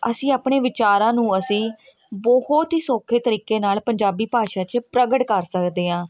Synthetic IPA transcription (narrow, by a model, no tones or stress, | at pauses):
əsĩːaːpɳeːʋɪt͡ʃaːɾãːnũːəsĩː | bəhʊt̪ɦiːsoːkʰeːt̪əɾiːkeːnaːlpəɲd͡ʒaːbiːpaːʃaːt͡ʃpɾəɡəʈkəɾsəkd̪eːɦãː